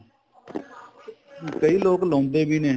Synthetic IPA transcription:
kəiːloːɡlõːmd̪eːbʱiːnẽː

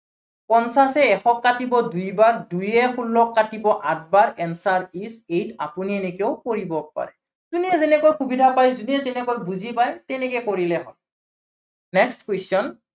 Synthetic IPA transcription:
pɔnsasɛɛxɔkːatibɔdujbaɹdujɛxulːɔkːatibɔʔat̚baɹɛnsaɹisejta̰puniɛnɛkeʊkoɹibɔk̚pa̰ɹɛ | zuniɛzɛnɛkojxubidʱapajzuniɛzɛnɛkojbuzipajtɛnɛkɛkoɹilɛɦɔ̰j | nɛkstkwesɔn

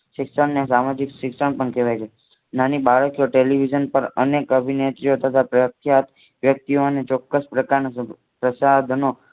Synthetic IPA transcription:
ʃɪksəɳːes̬amad͡ʒikʃɪksəɳ̃pəɳkeʋajt͡ʃʰe | nanibaɭəkjoʈeliʋid͡ʒənpəɾənekəbʱinet̪ɾiot̪ət̪ʰapɾəjəkʰjat̪ | ʋjək̚t̪ionet͡ʃɔkːəspɾəkaɾno | pɾəsad̪ʱno

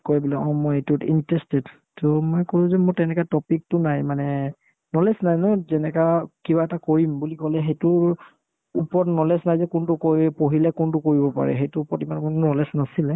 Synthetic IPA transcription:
koɹibɔlɔɔ̃mɔjejtʊtḭntɹɛstɛt | tɔmɔjkoɹʊ̃zɛmɔjtɛnɛkatɔpik̚tʊnajmanɛ | nɔlɛsnajnɔzɛnɛkakiβaɛtakoɹimbulikɔlɛxejtʊɹ | upɔtnɔlɛsnajzɛkʊntʊkopoɦilɛkʊntʊkoɹibɔpa̰ɹɛ̰xejtʊːpɔɹtimankɔnɔlɛsnasilɛ

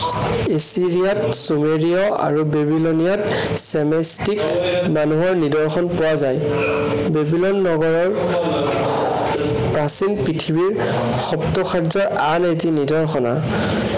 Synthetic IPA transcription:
esiɹijat | sumeɹiɔa̰ɹubebilonijat | sɛmestik | manuɦɔɹnidɔɹxɔnpʊwazaj | bebilɔnːɔɡɔɹɔɹ | pɹasinpɹitʰibiɹ | xɔptɔxʰaɹzɔɹanetinidɔɹxɔna̰

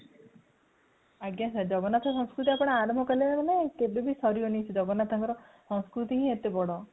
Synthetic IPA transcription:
aɡjasʰad͡ʒɔɡɔnat̪ʰɔsɔ̃ŋskɾut̪̬iapɔɽ̃eaɾmɔkaleaɾɔnekebebisɔɾionisʰid͡ʒɔɡɔnat̪ʰaŋkɔɾɔsɔ̃ŋskɾut̪iɦĩet̪ebɔɽɔ

